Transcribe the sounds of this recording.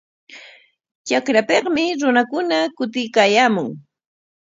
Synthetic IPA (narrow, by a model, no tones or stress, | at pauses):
t͡ʃakɾapeqmɪɾʊnakʊnakʊt̪ɪjkaːjaːmʊŋ